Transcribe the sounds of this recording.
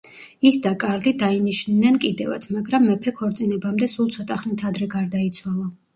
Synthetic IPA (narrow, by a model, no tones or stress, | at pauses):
isd̪akʼaɾd̪id̪ainiʃnːɛnkʼid̪ɛva̰t̪sʰmaɡɾamːɛpʰɛkʰɔɾt̪sʼinɛbamd̪ɛsulˠt̪sʰɔt̪ʼaχnit̪ʰad̪ɾɛɡaɾd̪ait̪sʰwalˠɔ